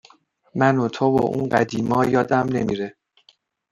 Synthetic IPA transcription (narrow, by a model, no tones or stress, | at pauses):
mænot̪ʰobo̰ʔṵːnɢæd̪iːmɒːjɒːd̪æmne̞̰miɾe